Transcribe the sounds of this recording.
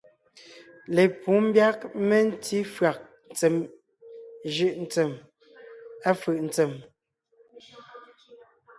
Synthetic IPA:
le˨pu˨˦m̩˦bja˦k̚mɛ˦n̩˦tʰi˦fɰa˨k̚n˨t͡sɛ˨m | ʒɯ˦˨ʔn̩˦t͡sɛ˨m | a˦fɯ˨ʔn̩˨˦t͡sɛ˨m

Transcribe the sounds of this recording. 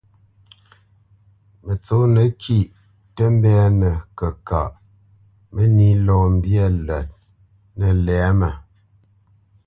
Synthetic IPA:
mə˨t͡so˨˦nə˨kʰi˦˨ʔ | tə˦m˦bɛ˦˨˦nə˨kə˨ka̰˨ʔ | mə˦ni˦lɔː˦˨m̩˦bjə˦˨lə˨t̚ | nə˨lɛ˨˦mə˨

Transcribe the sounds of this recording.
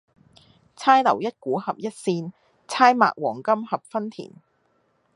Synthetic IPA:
t͡sʰaː˥jlɐ̰˨˩wjɐ˥t̚kuː˨˥hɐ˨p̚jɐ˥t̚siː˧n | t͡sʰaː˥jma̰ː˨k̚wɔː˨˩ŋkɐ˥mhɐ˨p̚fɐ˥nt̪ʰḭː˨˩n

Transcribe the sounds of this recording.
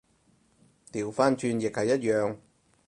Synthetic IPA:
t̪iː˨˩wfaː˥nt͡ʃʰyː˧njɪ˨k̚hɐ˨jːɐ˥t̚jœː˨ŋ

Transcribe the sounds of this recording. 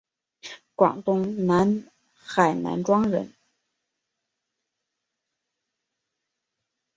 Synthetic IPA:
kwɑ̰˨˩ŋt̪ʊ˥ŋna˧˥n | xa˨˩ɪna̰˧˥nʈ͡ʂwɑ˥ŋɻə̰˧˥n

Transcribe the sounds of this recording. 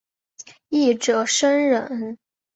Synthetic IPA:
i˥˩ʈ͡ʂɤ˨˩ʂə˥nɻə˨˧˩n

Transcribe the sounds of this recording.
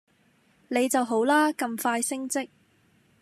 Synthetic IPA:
ne˨˧jt͡sɐ˨wɦo˨˥wlaː˥kɐ˧mfaː˧jsɪ˥ŋt͡sɪ˥k̚

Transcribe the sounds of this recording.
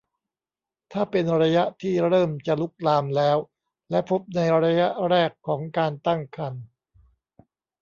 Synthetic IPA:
t̪ʰaː˥˩pe˧nɾa˧ja˦˥ʔt̪ʰiː˥˩ɾɤː˥˩mt͡ɕa˨˩lu˦˥k̚laː˧mlɛː˦˥w | lɛ˦˥pʰo˦˥p̚na˧jɾa˧ja˦˥ʔɾɛː˥˩kʰːɔː˩˦ŋkaː˧nt̪a˥˩ŋkʰa˧n

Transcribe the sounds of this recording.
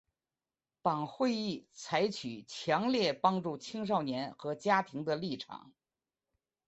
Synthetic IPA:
t̪ɑ˨˩ŋxwe˥˧ɪi˥˩t͡sʰa˧˥ɪt͡ɕʰy˨˩t͡ɕʰjɑ˧˥ŋljɛ˥˩pɑ˥ŋʈ͡ʂu˥˩t͡ɕʰi˥ŋʂ̬ɑ˥˩ʊnjɛ˧˥nxɤ˧˥t͡ɕja˥t̪ʰi˧˥ŋd̪ə˧li˥˩ʈ͡ʂʰɑ̰˨˩˦ŋ

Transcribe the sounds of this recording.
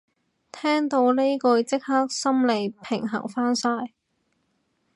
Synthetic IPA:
t̪ʰɛː˥ŋt̪o˧wle˥jkɔː˨˧jt͡sɪ˥k̚haː˥k̚sɐ˥mle˨jpʰɪ˨˩ŋɦɐ̰˨˩ŋfaː˥nsaː˧j

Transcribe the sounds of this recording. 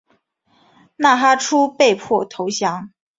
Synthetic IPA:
na˥˩xa˥ʈ͡ʂʰu˥pe˥˧ɪpʰwɔ˥˩t̪ʰo˧˥ʊɕjɑ˧˥ŋ

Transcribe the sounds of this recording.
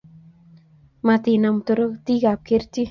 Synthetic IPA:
ma˧t̪i˨na˨m˨t̪o˦ɾo˦t̪i˦ɡa˨p̚ke˦ɾt̪i˦

